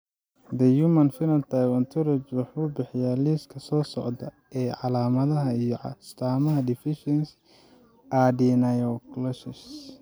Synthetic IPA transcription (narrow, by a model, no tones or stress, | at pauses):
d̪ɐjumɐnfɪɾɐnt̪ʰajwɔnt̪ʰɔɾɔt͡ʃwɑħuːbɪħɪjaːliskʰɐsɔːsɔʕd̪ɐ | ɛːʕɑlaːmɐðɐɦɐijɔʕst̪ʰaːmɐɦɐd̪ɪfɪʃɛns | ʔadinɐjɔklɔsɪs